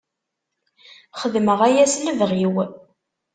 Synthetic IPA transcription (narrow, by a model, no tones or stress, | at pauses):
χəðməʁæjæsləvʁiw